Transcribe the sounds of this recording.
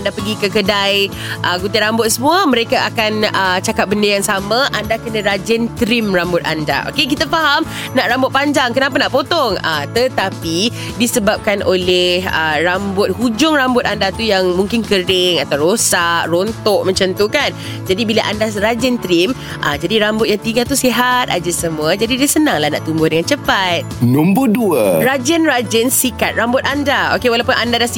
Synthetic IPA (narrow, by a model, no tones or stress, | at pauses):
andapəɡikəkədaj | ʔəɡut̪iɾambʊt̪̚səmũamə̃ɾekaʔakanət͡ʃakap̚bəndəjaŋsamãʔandakənə̃ɾad͡ʒənt̪əɾɪmrambʊt̪̚a̰nda̰ʔo̰kek̬it̪afaɦam | naʔɾambʊt̪̚paɲd͡ʒaŋkənapanaʔpot̪ɔŋət̪ət̪api | disəbap̚kanʔolɛhə̰rambʊt̪̚ɦud͡ʒʊŋrambʊt̪̚andat̪ujaŋmuŋkɪnkəɾɪŋat̪awɾosaʔront̪ɔʔmə̃ɲt͡ʃənt̪ukan | d͡ʒadibilaʔandaɾad͡ʒɪnt̪ɾim | ʔəd͡ʒadiɾambʊt̪̚jaŋt̪iɡat̪usiɦat̪̚a̰d͡ʒasəmũəd͡ʒadidiasənãŋlahna̰ʔt̪umbʊhdəŋant͡ʃəpat̪̚numbʊduəɾad͡ʒənrad͡ʒənsikat̪̚ɾambʊt̪̚andao̰kewalawpʊnʔandadas